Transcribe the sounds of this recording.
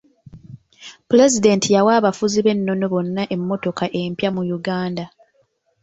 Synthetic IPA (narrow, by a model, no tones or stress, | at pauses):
pule̞zide̞ntijawaːβafuziβe̞nːo̞no̞βo̞nːaʔe̞mːo̞to̞kaʔe̞mpjamujuɡaːnda